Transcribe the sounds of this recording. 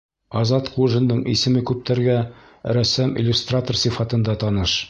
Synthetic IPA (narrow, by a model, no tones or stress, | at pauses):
ɒzɑt̪quʒɤ̆nd̪ɤɴḭsɘ̆mɘkʉp̚t̪ʰæɾɡæ | ɾæsæmʔḭlʲːust̪rat̪orsifɑt̪ɤ̆nd̪ɑt̪ɒnɤʃ